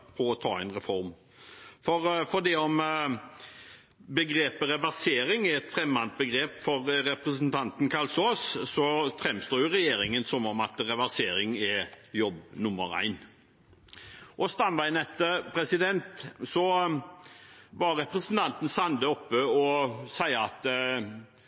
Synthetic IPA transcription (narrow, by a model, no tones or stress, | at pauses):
pʰɔɔt̪ʰɑ̰ːæɪnʁɛfɔɾm | fɔɾfɔɖ̪iɔm | bəɡɾeːpəɾɛʋæɾseːɾɪŋɛɛt̪fɾɛmːɑnt̪̚bəɡɾeːpfɔɾɾɛpɾɛsnt̪ʰɑnt̪nkʰɑlsoːssɔfɾɛmst̪oːjʊʁɛjeːɾɪŋənsɔmɔmɑt̪ɾɛʋæɾseːɾɪŋɛjɔbːnʊmːə̰ɾæ̰ɪn | ʔɔst̪ɑnʋæɪnɛt̪əpʰɾɛsɪd̪ɛnt̪sɔ | ʋɑɾɛpɾɛsənt̪ʰɑnt̪n̩sɑnd̪əɔpːəɔsæɪəɑt̪